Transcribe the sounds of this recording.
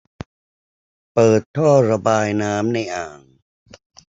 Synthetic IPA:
pɤː˨˩t̪ʰːɔː˥˩ɾa˧baː˧jnaː˦˥mna˧jʔaː˨˩ŋ

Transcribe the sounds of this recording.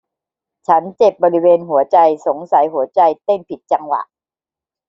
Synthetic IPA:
t͡ɕʰa˦˥nt͡ɕe˨˩p̚bɔː˧ɾi˦˥weː˧nɦu˨˩˦ɐt͡ɕa˧jso˩˦ŋsa˩˦jɦu˨˩˦ɐt͡ɕa˧jt̪e˥˩npʰi˨˩t̪̚t͡ɕa˧ŋwa̰˨˩ʔ

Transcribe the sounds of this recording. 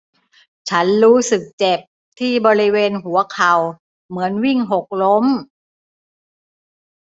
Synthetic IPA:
t͡ɕʰa˦˥nɾuː˦˥sɯ˨˩k̚t͡ɕe˨˩p̚ | t̪ʰiː˥˩bɔː˧ɾi˦˥weː˧nɦu˩˦ɐkʰa˨˩w | mɯ˩˦ənwi˥˩ŋɦo˨˩k̚lo˦˥m

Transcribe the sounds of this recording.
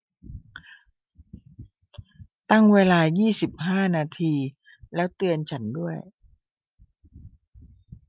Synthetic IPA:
t̪a˥˩ŋweː˧laː˧jiː˥˩si˨˩p̚haː˥˩naː˧t̪ʰiː˧ | lɛː˦˥wt̪ɯ˧ənt͡ɕʰa˦˥ndu˥˩əj

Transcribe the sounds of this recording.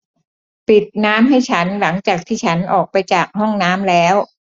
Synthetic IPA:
pi˨˩t̪̚naː˦˥mɦa˥˩jt͡ɕʰa˦˥nla˩˦ŋt͡ɕaː˨˩k̚t̪ʰiː˥˩t͡ɕʰa˦˥nʔɔː˨˩k̚pa˧jt͡ɕaː˨˩k̚hɔ˥˩ŋnaː˦˥mlɛː˦˥w

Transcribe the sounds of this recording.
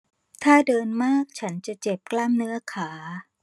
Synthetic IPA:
t̪ʰaː˥˩dɤː˧nmaː˥˩k̚t͡ɕʰa˦˥nt͡ɕa˨˩t͡ɕe˨˩p̚klaː˥˩mnɯ˦˥ɐkʰaː˩˦

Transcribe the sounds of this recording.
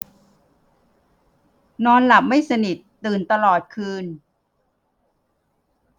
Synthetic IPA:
nɔː˧nla˨˩p̚ma˥˩jsa˧ni˨˩t̪ːɯː˨˩nt̪a˧lɔː˨˩t̪̚kʰɯː˧n

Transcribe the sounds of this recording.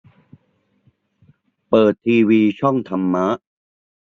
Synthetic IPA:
pɤː˨˩t̪ʰːiː˧wiː˧t͡ɕʰɔ˥˩ŋt̪ʰa˧mːa˦˥ʔ

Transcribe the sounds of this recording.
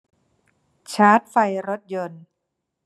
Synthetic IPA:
t͡ɕʰaː˦˥t̪̚fa˧jɾo˦˥t̪̚jo˧n

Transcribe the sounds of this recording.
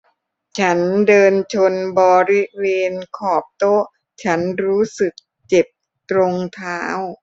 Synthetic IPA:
t͡ɕʰa˦˥ndɤː˧nt͡ɕʰo˧nbɔː˧ɾi˦˥leː˧nkʰɔː˨˩p̚t̪o˦˥ʔ | t͡ɕʰa˦˥nɾuː˦˥sɯ˨˩k̚ | t͡ɕe˨˩p̚ | t̪ɾo˧ŋt̪ʰaː˦˥w

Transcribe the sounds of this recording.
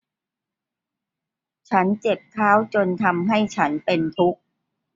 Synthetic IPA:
t͡ɕʰa˦˥nt͡ɕe˨˩p̚kʰaː˦˥˩wt͡ɕo˧nt̪ʰa˧mɦa˥˩jt͡ɕʰa˦˥npe˧nt̪ʰu˦˥k̚

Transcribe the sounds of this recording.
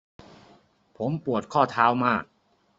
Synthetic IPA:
pʰo˩˦mpu˨˩ət̪̚kʰɔː˥˩t̪ʰaː˦˥wmaː˥˩k̚

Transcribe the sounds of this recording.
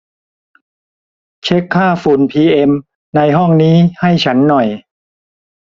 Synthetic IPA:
t͡ɕʰe˦˥kʰːaː˥˩fuː˨˩npʰiː˧ʔe˧m | na˧jɦɔ˥˩ŋniː˦˥ha˥˩jt͡ɕʰa˦˥nːɔ˨˩j

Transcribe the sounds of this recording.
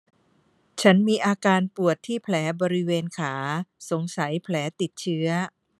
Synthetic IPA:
t͡ɕʰa˦˥nmiː˧ʔaː˧kaː˧npu˨˩ət̪ʰːiː˥˩pʰlɛː˩˦bɔː˧ɾi˦˥weː˧nkʰaː˩˦so˩˦ŋsa˩˦jpʰlɛː˩˦t̪i˨˩t̪̚t͡ɕʰɯ˦˥ɐ

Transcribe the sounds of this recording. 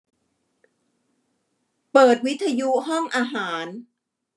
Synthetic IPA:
pɤː˨˩t̪̚wi˦˥t̪ʰːa˧ju˦˥hɔ˥˩ŋʔaː˧ɦaː˩˦n

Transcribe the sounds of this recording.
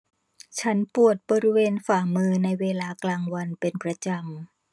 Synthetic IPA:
t͡ɕʰa˦˥npu˨˩ət̪̚bɔː˧ɾi˦˥weː˧nfaː˨˩mɯː˧na˧jweː˧laː˧klaː˧ŋwa˧npe˧npɾa˧t͡ɕa˧m

